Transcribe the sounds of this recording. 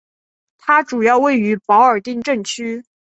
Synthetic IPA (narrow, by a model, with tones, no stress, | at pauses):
t̪ʰa˥ʈ͡ʂu˨˩jɑ˥˧ʊwe˥˩ɪy˧˥pɑ˧˥ʊə˞˨˩t̪i˥˧ŋʈ͡ʂə˥˩ŋt͡ɕʰy˥